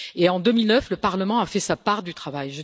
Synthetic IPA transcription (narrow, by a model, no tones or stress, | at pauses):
eɑ̃d̪ømilnœfləpaʁləmɑ̃afɛsapaʁd̪yt̪χavajʒə